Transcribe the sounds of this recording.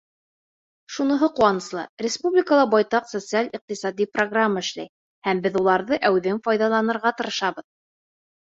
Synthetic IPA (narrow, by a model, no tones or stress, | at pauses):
ʃunɤ̆ɦɤquɑnɤ̆slˠɤ̰ɾʲɪspublʲɪkəlˠɑbɑjt̪ɑqsot̪sɨalʲiq̚t̪isɑd̪ʲiproɡramːəɘ̆ʃlæ̰j | hæmbɘðulˠɑɾðɤʔæwðɘŋfɑjðɑlˠɑnɤ̆ɾʁɑt̪ɤ̆ɾɤ̆ʃɑβɤð